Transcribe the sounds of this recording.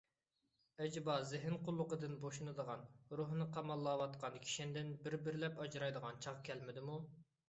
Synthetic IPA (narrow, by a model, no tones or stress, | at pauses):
ɛd͡ʒbɑzɪɦɪnqʰʊlˠːʊqəd̪ɨnboʃunɨd̪əʁɑnɾuɦnɨqʰɑmɑlˠːɑːwɑt̪qʰɑnkʲʰi̥ʃɪnd̪ɪnbɪɾbɪɾɪlɛpɑd͡ʒɾɑjd̪əʁɑnt͡ʃʰɑʁkʲʰɛlmɪd̪ɪmu